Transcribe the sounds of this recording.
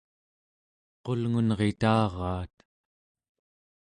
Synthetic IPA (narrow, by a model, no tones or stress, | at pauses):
qo̞lŋunʁe̞t̪ɑːʁɑːt̪